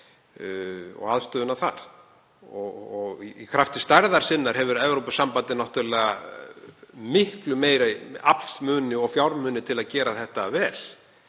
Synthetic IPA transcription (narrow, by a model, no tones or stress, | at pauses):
ɔ̰ɣaðst̪œːðʏnavθa̰ɾ̥ | ɔɣɔɣiikʰɾaft̪ɪst̪aɾðaɾ̥sɪnːaɾ̥ɦɛvʏɾɛvɾowpʏsampant̪ɪnawht̪ʏlɛːɣa̰ | mɪhklʏmeːjɾaapl̥smʏːnɪɔɣfjawɾmʏːnɪt̪ʰɪlaðcɛːɾaθɛht̪avɛːl